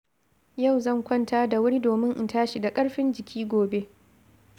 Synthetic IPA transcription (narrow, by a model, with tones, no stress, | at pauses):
jɐ˦˨wzɐ˦˨ŋkʷɐ˦˨ntaː˦da˨wʊ˦ɾi˦doː˨mɪ˦ŋʔɪ˨taː˦ʃi˨da˨kʼɐ˦ɽɸɪ˦nd͡ʒɪ˨kʲʰiː˦ɡʷoː˨be˦ʔ